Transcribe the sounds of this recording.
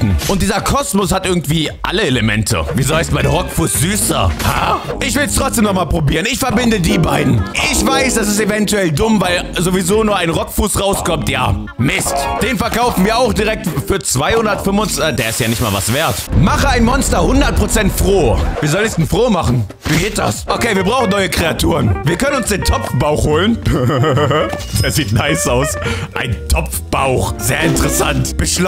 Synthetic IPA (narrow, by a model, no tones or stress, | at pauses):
n̩ʔʊnt̚d̥iːzɐkʰɔsmʊshatʔɪɐɡŋ̩tv̥iːʔa̰ləeləmɛ̰ntʰə̰viːzohaɪsmbaɪdʁɔkfuːsz̥yːsɐ̰ha̰ʔɪçv̥ɪlstʁ̥ɔt͡sd̥eːmnɔχmaːlpʁ̥obiːʁənɪçfɛɐbɪndədiːbaɪdn̩ʔɪçv̥aɪsd̥as̬ɪstevɛntuɛldʊmvaɪlzovizoːnuːɐaɪnʁɔkfuːsʁaʊskɔmtja̰ː | mɪstd̥eːnfɛɐkaʊfn̩viːɐaʊxd̥iʁɛk̚tfyːɐt͡sv̥aɪhʊndɐtfʏmʊnt͡sːdeːɐɪstjaːnɪçtmaːlvasv̥eːɐtmaχəaɪnmɔnstɐhʊndɐt̚pʁ̥ot͡sɛntfʁ̥oːviːɐzɔlənɛsd̥ɛnfʁ̥oːmaχn̩ | viːɡeːt̚d̥a̰sʔokeːviɐbʁaʊxn̩nːɔʏəkʁ̥eatʰuːʁənviːɐkʰœnənʊnsd̥eːntʰɔpp͡fb̥aʊxhoːlən | d̥eːɐziːtnaɪsaʊsʔaɪntʰɔp͡fb̥aʊxz̥eːɐɪntəʁɛsa̰ntb̥əʃl